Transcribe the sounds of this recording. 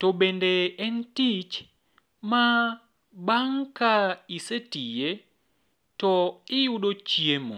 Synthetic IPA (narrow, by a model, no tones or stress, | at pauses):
tɔɓɛndɛːntit͡ʃ | ma | baŋkaisetijɛ | tɔijuɗɔt͡ʃiemɔ̰